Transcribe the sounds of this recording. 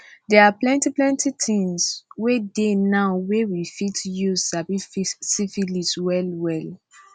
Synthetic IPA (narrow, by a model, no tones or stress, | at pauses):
dɛaplɛ̃ntiplɛ̃ntitʰĩŋswedenaʊwewifitjuzsabifisifiliswɛlwɛl